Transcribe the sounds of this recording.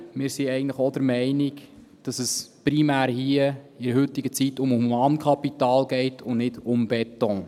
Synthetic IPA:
mɪːɾsiɛɪɡən̩tləχɔd̪əɾmɛɪnɪɡ | d̥ɑsəspɾimæːɾhiə | ɪɾəhʏtːɪɡət͡sitːʊmhuumɑːnkʰɑpitɑːlɡɛɪtʰʊnnɪdʊmb̥ɛtɔ̃

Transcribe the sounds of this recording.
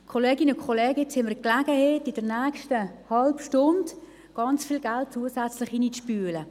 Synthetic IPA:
kʰoleːɡɪnəkʰolɛːɡəɪt͡shɪməklaɡ̥əheːtɪd̥əɾnæːkʃtəhɑlpʃtʊnd | ɡ̥ɑnt͡sfiːlɡalt̚t͡suəsæt͡slɪχinispyːlə

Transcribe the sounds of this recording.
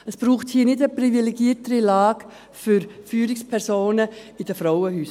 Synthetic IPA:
əsb̥ɾuːχthiːnɪdəprivilɛɡiətəɾilɑːɡ̥ | fʏɾfyːɾɪkspʰɛɾsoːnəid̥əfɾaʊəɦyːs

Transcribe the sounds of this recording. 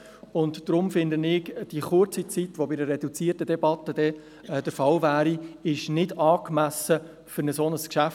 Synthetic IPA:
ʊntd̥ɾʊmfɪnd̪ənɪːɡd̥iəχʊɾt͡sit͡sit̪ʋɔbɪdərɛdut͡siːərtədɛbɑt̪ːəd̥ɛ | d̥̪əɾfɑlvæːɾiɪʃnɪdɑːkmæsə | fʏɾnəsonəskʃæf

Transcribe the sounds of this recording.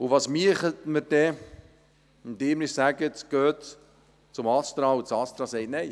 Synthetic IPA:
ʊʋɑːsmiəχətməɾd̥ɛ | md̪ɪːmnɪssæɡətɡ̥øːt | t͡sʊmɑst̪ɾɑʊt͡sɑst̪ɾɑsɛɪtnɛɪ

